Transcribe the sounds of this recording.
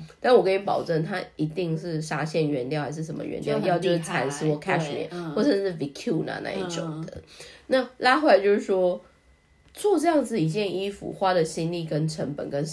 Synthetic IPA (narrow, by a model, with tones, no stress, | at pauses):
t̪a˥˩˥wɔ˨˩kʰi˧˥˩pɑ˨˩ʊʈ͡ʂə˥˩nt̪ʰa˥i˧˥t̪i˥˧ŋʂɻ̩˥˩ʂa˥ɕjɛ˥˩nɥɛ˧˥nt̪jɑ˥˧ʊxa˧˥ɪʂ̬ɻ̩˥˩ʂə˧˦mə̰˧ɥɛ̰˧˦nt̪jɑ˥˧ʊjʊt͡ɕjo˥˧ʊʂɻ̩˥˩˥t͡sʰa˧˥ns̩˥wɔ˥˩kʰɛ˥ʂmḭ˨˦xwɔ˥˩ʈ͡ʂɤ˨˩ʂɻ̩˥˩vi˧˥kʰju˥˩nɐ̰˨˩na̰˥˧ḭ˥˩ʈ͡ʂo̰˨˩ŋd̪ə̰˦na˥˨la˥xwla˧˩t͡ɕjo˥˧ʊʂɻ̩˥˩ʂwɔ˥ | t͡swɔ˥˧ʈ͡ʂɤ˥˧jɑ˥˩ŋd͡zɹ̩˨i˨˩t͡ɕjɛ˥˩ni˥fṵ˨˩xwa˥də˨ɕi˥nli˥˩kə˦˥nʈ͡ʂʰə˧˥ŋpə̰˨˩nkə˦n